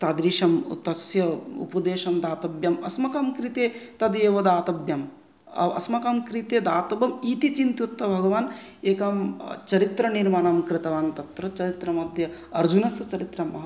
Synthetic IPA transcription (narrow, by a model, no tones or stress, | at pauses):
t̪aːd̪ɾiːʃɐmṵt̪ːɐsjɐṵpɐd̪eːʃɐmd̪aːt̪ɐbjɐmɐsmɐkɐmkɾit̪eːt̪ɐd̪eːʋɐd̪aːt̪ɐbjɐm | ɐ̰ɐ̰smɐkamkɾit̪eːd̪aːt̪ɐbɐmiːt̪it͡ʃint̪jut̪ːɐbʱɐɡɐʋaːn | eːkɐmt͡ʃɐɾit̪ɾɐniɾmaːnɐmkɾɪt̪ɐʋaːnt̪ɐt̪ɾɐt͡ʃɐɾit̪ɾɐmɐd̪ʱjɐ | ɐɾd͡ʒunɐsɐt͡ʃɐɾit̪ɾɐmɐɦ